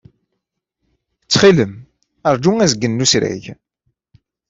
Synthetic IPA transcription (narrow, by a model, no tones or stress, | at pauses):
t͡sːχiləm | əɾˤd͡ʒuŋæzəɡːənːusɾæ̰ʝ